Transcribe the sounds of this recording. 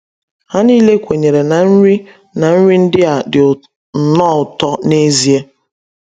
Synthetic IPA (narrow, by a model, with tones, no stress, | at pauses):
ha˦niː˦le˦kʷe˨ɲe˨ɾe˨na˨n̩˦ɾi˦ | na˨n̩˦ɾi˦n̩˦dɪ˦a˨dɪ˨ʊ˨ | n̩˨nɔ˦˨ʊ˨tɔ˦ne˦zi˦e˦